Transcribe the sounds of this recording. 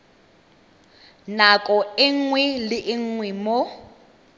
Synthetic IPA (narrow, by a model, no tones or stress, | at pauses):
nakʼɔɪŋ̩ŋwɛlɪʔɪŋ̩ŋwɛmo